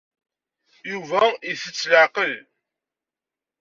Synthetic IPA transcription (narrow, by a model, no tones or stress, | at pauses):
juvæiθət͡sːləʕqəl